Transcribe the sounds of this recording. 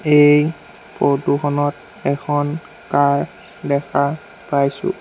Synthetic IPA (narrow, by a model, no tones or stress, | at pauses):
ej | pɔduxʰɔnɔt̚ | ɛkʰɔn | kaɹ | dɛkʰa | pajsʊ̰